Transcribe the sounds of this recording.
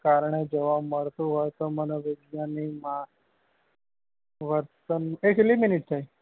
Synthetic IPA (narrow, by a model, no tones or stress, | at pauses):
kaɾɳed͡ʑeʋaməɾt̪uɦəjt̪əmənəʋeɡnjanima | ʋəɾt̪ənekliminiʈ̚t̪ʰai